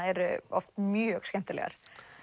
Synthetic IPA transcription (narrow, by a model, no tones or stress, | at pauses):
ɛɾʏɔft̪mjœːɣskɛnt̪ɪlɛ̰ɣa̰ɾ̥